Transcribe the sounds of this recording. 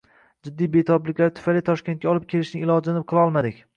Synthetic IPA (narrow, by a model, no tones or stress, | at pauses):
d͡ʒɪd̪ːijbet̪ʰɒplɪkʲlaɾt̪ʰʊ̥fajlɪt̪ʰɒʃkʲent̪̚kʲaɒlˠɪp̚kʲʰe̞lɪʃnɪɪlˠɒd͡ʒlanɪp̚qʰɨlˠɒlˠmad̪ɪkʲ